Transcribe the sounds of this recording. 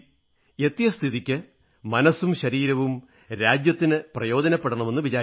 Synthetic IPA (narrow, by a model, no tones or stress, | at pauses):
e̞t̪ːijɐst̪ʰiðikʲːɨ | mɐnɐsːumɕɐɾiːɾɐʋum | ɾaːd͡ʑjɐt̪ːinɨprɐjo̞ːdɐnɐpːeɽuɳɐme̞nːɨʋit͡ɕaː